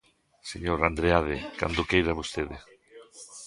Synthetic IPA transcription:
seɲoɾand̪ɾeaðeka̰nd̪okejɾaβost̪eðe

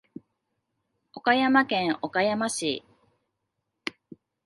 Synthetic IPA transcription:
o̞kajamakẽ̞ŋo̞kajamaɕi

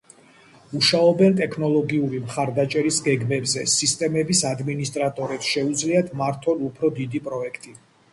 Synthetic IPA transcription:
uʃaɔbɛnt̪ʼɛkʰnɔlˠɔɡiuɾimχaɾd̪at͡ʃʼɛɾisɡɛɡmɛbzɛsist̪ʼɛmɛbisad̪minist̪ʼɾat̪ʼɔɾɛpsʃɛud̪zliat̪ʰmaɾt̪ʰɔnupʰɾɔd̪id̪ipʼɾɔɛkʰt̪ʼi

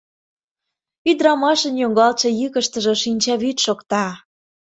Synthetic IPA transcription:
yd̪ɾɑmɑʃə̆njoŋɡɑlt͡ɕɤ̆jɯkə̆ʃt̪ə̆ʒĕʃinʲt͡ɕɑβyt̪ʃokt̪ɑ

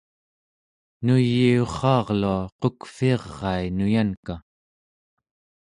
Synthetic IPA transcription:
nujːioχɑːʁluaqokfiɑʁːɑinujanka

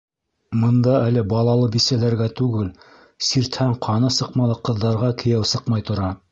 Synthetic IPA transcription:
mɤ̆nd̪ɑælɘbɑlˠɑlˠɤbisælæɾɡæt̪ʉɡɘl | siɾt̪hæɴqʰɑnɤsɤqmɑlˠɤqɤ̆ðːɑɾʁɑkʰɘ̆jæwsɤqmɑjt̪ŏɾɑ

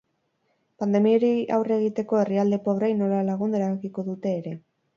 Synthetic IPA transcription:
pand̪e̞mioɾia̰wre̞ɣit̪e̞ko̞e̞riald̪e̞po̞β̞ɾajno̞lalaɣ̞und̪eɾaβakiko̞ðut̪e̞ːɾe̞

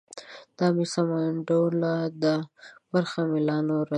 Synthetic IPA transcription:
d̪̥ɑmisamaɳɖolad̪əbaɾxamilɑnoɾa

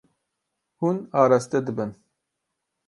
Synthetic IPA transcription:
hunɑːɾast̪ed̪ɨbɨn

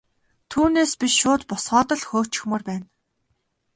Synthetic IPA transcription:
t̪ʰuːneːspiʃʃʊːt̪pɔsɢɔːt̪ɞ̆ɮxoːkt͡ɕɪ̥̆xmɵːrpæːn

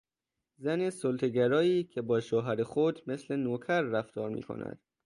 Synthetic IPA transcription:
zænesolt̪ʰeɡæɾɒːiːcʰe̞bɒːʃoːɦæɾexod̪me̞sle̞noːkʰæɾːæft̪ɒːɾmḭːkʰo̰næ̰d̪̥

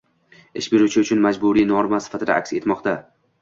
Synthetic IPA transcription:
ɪʃbeɾut͡ʃʰɪʊt͡ʃʰʊnmad͡ʒbʊɾijnɒɾmasɪ̥fat̪ʰɪd̪a̰ʔa̰kʲse̞t̪mɒqt̪ʰa

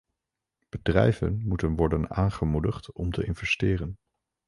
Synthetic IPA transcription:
b̥ədrɛjvə̰nmutənʋɔɹdənaːnχəmudəχtɔmtəɪnvɛstɪːrən

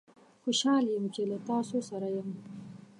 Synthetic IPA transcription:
xoʃɑljəmt͡ʃelat̪ɑsosaɾajəm

